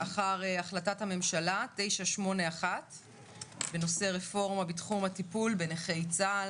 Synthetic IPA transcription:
aχaʁeaχlatathame̞mʃalate̞jʃaʃmo̞neaχat | be̞no̞se̞ʁe̞fo̞ʁmabitχumhatipulbeneχejt͡sa

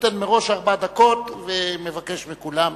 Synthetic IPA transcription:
t̪enmeʁo̞ʃaʁbad̪ako̞t̪vemevake̞ʃmikulam

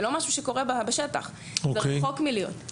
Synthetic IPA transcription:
lo̞maʃuʃeko̞ʁebabaʃeta̰χ | ozkeχokmilijo̰t

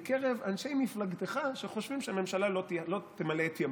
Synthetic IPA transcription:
keʁevanʃe̞jmiflaɡt̪eχaʃeχo̞ʃvimʃeame̞mʃalalotlo̞t̪emalet̪jam

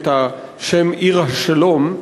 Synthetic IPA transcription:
t̪ha | ʃemʔiʁhaʃalom

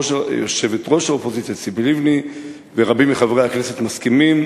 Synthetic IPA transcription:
oʃajoʃe̞vetʁo̞ʃaopozit͡sjasibilivni | veʁabimiχavʁejaknesetmaskimim

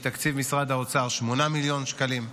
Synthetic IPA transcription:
t̪akt͡sivmisʁad̪aot͡saʁʃmo̞namiljo̞nʃkalim

